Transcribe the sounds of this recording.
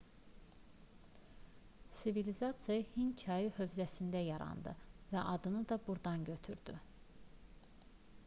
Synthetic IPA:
sivilizɑt̪sijɑhincʰɑjɯhø̞vzæsind̪æjɑɾɑ̰nd̪ɯ̰væʔɑd̪ɯnɯd̪ɑbuɾd̪ɑnɟø̞t̪ʰyɾd̪̥y

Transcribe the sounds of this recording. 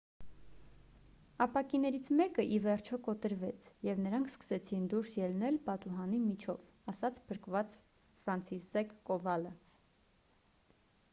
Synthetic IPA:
ɑpɑkinɛɾit͡sʰmɛkəʔivɛɾt͡ʃʰɔkɔt̪əɾvɛt͡sʰjɛvnəɾɑŋkʰskə̥sɛt͡sʰind̪uɾsjɛlnɛlpɑt̪uɦɑnimit͡ʃʰɔv | ɑsɑt͡sʰpʰəɾkvɑt͡s | fɾɑnt͡sʰizɛkːɔvɑlə

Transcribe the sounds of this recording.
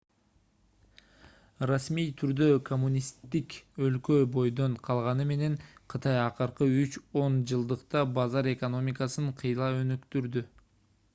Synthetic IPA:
rasmijt̪ʰyɾd̪økʰo̞mːunʲist̪ːikø̞lkø̞bo̞jd̪o̞ɴqʰɑlˠʁɑnɯme̞ne̞ɴqʰɯt̪ɑjɑqɯɾqɯyt͡ʃo̞nd͡ʒɯlˠd̪ɯqt̪ɑbɑzɑɾe̞ko̞no̞mʲikɑsɯɴqʰɯjlˠɑø̞nykt̪yɾd̪y

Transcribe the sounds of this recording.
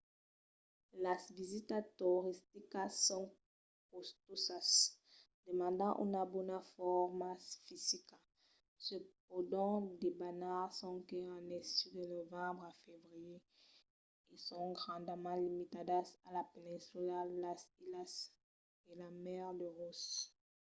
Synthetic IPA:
lasvizit̪at̪oʁist̪ikasɔ̃ | kost̪osas | demɑ̃ndɑ̃ʔṵnabɔnafɔʁmasfizika | sep̚odɔ̃debanaʁsɔ̃keãnɛsidənovɑ̃bʁafevʁije | esɔ̃ɡʁɑ̃d̪əmãlimitadasalapenɛ̃sylalasilas | elamɛʁdəʁus

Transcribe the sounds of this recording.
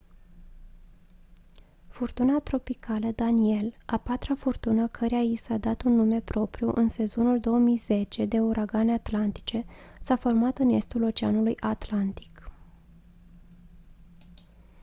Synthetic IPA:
furt̪unat̪ɾo̞pikʰaləd̪anie̞lapat̪ɾafurt̪unəkʰəɾeajisad̪at̪unːume̞pɾo̞pɾiuʔɨnse̞zo̞nuld̪o̞womijze̞t͡ʃe̞d̪e̞uɾʔaɡaneat̪lant̪i̥t͡ʃe̞safo̞rmat̪ɨne̞st̪ulo̞t͡ʃeanulujʔat̪lant̪i̥k

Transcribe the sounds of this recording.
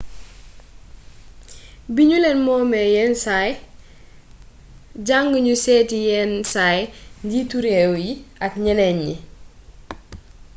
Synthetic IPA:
biɲulɛnmɔːmɛjɛnsaj | ɟaŋɡəɲusɛːtijɛnsajndituɾewjiɐkɲɛnɛɲːi

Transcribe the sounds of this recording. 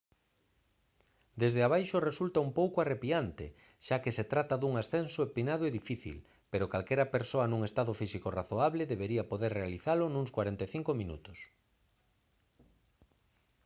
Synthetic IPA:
d̪ezðeaβ̞ajʃoresult̪aumpowkoarepiant̪ḛ | ʃakeset̪ɾat̪aðuŋasθensoepinaðoeðifiθḭl | peɾokalkɛɾɐpeɾsoanũŋest̪aðʊfisikoraθoaβleðeβeɾiapoðeɾrealiθalʊnũŋskwaɾent̪eθiŋkomĩnṵt̪ʊs

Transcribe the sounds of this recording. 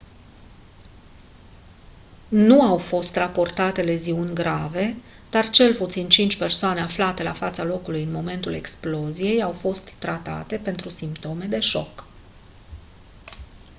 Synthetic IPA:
nuawfo̞st̪rapo̞rt̪at̪e̞le̞ziunʲɡɾave̞ | d̪̥art͡ʃe̞lput̪sint͡ʃint͡ʃʲpe̞rsoane̞aflat̪e̞lafat̪salo̞kulujɨnmo̞me̞nt̪ule̞ksplo̞zije̞jawfo̞st̪ːɾat̪a̰t̪e̞pe̞nt̪ɾusimpt̪o̞me̞d̪e̞ʃo̞̰k

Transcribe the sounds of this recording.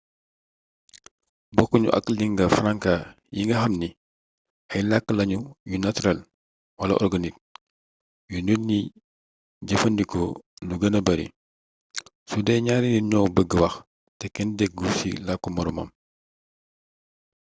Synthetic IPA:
bɔkːuɲṵʔɐ̰kːliŋɡɐfɾaŋka | jiŋɡɐɦɐmni | ʔɐjlakːəlɐɲujunatuɾɐl | wɐlɐ̰ʔɔrɡɐnik̚ | jununi | ɟɐfɐndikɔnuɡɐnɐbɐɾḭ | sudɛɲaːɾiniɲɔːwbəɡːəwɐx | tɛkɛndɛk̚ɡusḭlakːumɔɾɔmɐ̰m

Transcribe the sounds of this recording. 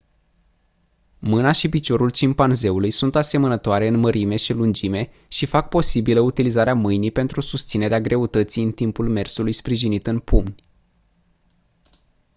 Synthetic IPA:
mɨnaʃipit͡ʃo̞ɾult͡ʃimpanze̞ulujsunt̪ase̞mənət̪oaɾe̞ɨnməɾʔime̞ʃilund͡ʒime̞ | ʃifak̚po̞sibiləut̪ilizaɾeamɨjnipe̞nt̪ɾusust̪sine̞ɾeaɡɾʔe̞ut̪ət̪sijɨnt̪impulme̞rsulujspɾiʒinit̪ɨnpumnʲ

